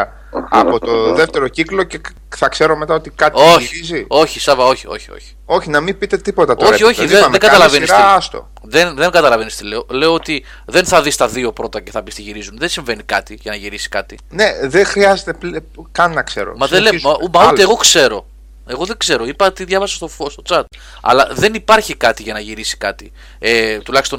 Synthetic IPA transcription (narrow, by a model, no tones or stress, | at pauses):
ɐ | ɐ̰pot̪oðeft̪e̞ɾo̞ciklo̞ce | θɐkse̞ɾo̞me̞t̪ɐot̪ikɐt̪oiizio̞çisɐvɐo̞çio̞̰çio̞̰çi̥o̞çinɐmibit̪e̞t̪ipo̞t̪ɐt̪oo̞io̞çiðeðeŋɡɐt̪ɐlɐvenisɐst̪o̰ | ðenðe̞ŋɡɐt̪ɐlɐvenist̪ileole̞oot̪i | ðe̞nθɐðist̪ɐðio̞pɾo̞t̪ɐce̞θɐpist̪iʝiɾizunðensiɱve̞nikɐt̪iʝɐnɐʝiɾisi̥kɐt̪i | neðexɾiɐzet̪epl | kɐnːɐksḛɾo̰mɐðelemumɐot̪eɣo̞kse̞ɾo̞ | eɣo̞ðeɡze̞ɾo̞ipɐt̪iðjʝɐvɐsɐ̥st̪ofost̪o̞t͡sɐt̪̚ | ɐ̰lɐðe̞nipɐɾçikɐt̪iʝɐnɐʝiɾisi̥kɐt̪i | et̪ulɐçist̪o̞